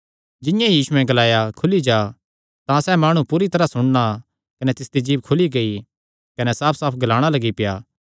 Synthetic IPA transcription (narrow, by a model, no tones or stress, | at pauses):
d͡ʒɪjãjiːsʊɛ̃ɡɐlaːjakʰʊlid͡ʒaː | t̪ãsɛːmaːɽ̃ũpuːɾit̪ɐɾasʊɽ̃na | kɐnɛt̪ɪsd̪id͡ʒiːbkʰʊliɡei | kɐnɛsaːpʰsaːpʰɡɐlaːɽ̃alɐɡipɪjaː